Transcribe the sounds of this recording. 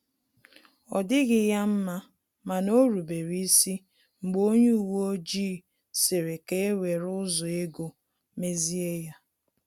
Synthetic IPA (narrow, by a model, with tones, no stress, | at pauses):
ɔ̰˨dɪ˦ɣɪ˨ja˦m̩˦ma˦ | ma˨no˦ɾu˨be˨ɾi˦si˦ | ŋ͡m̩˨ɡ͡bo˦ɲu˦u˨wo˦o˦d͡ʒiː˦˨ | se˨ɾe˨ke˦e˦we˨ɾʊ˦zʊ˨e˦ɡo˨ | me˦zi˦e˦ja˦